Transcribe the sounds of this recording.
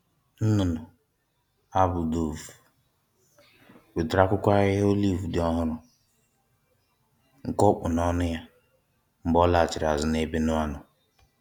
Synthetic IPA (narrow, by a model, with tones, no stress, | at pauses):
n̩˦nʊ˨nʊ˨ | a˦bʊ˨do˨u˨ | we˨dɪ˨ɾa˦kʷʊ˦kʷa˦ɣɪ˦ɦo˦li˦˨vu˨dɪ˨ɔ˦ɦʊ˦ɾʊ˨ | ŋ̩˨kʊ˦k͡pʊ˨nɔ˦nʊ˦ja˦ | ŋ͡m̩˨ɡ͡bɔ˦la˨t͡ʃɪ˨ɾa˨zʊ˦ne˦be˦nʊ˦a˦nʊ˨